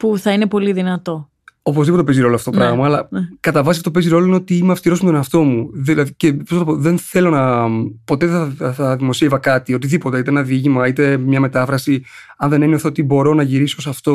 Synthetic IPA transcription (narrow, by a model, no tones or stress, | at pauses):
puθɐinepo̞liðinɐt̪o̞ | o̞po̞zðipot̪eziɾo̞loɐft̪ooɾɐɣmɐːlɐkɐt̪ɐvɐsiɐfot̪opeziɾo̞loineot̪iimɐfst̪iɾo̞smet̪oeɐft̪o̞muðilɐðiceposznɐpoðe̞nθe̞lo̞nɐpo̞t̪eðθθɐðimo̞sievɐkɐt̪io̞t̪iðipo̞t̪eit̪enɐðiʝimɐit̪e̞mɲɐmet̪ɐfɾɐsi | ɐnðe̞nenioθeot̪ibo̞ɾo̞nɐʝiɾisoosɐft̪o̞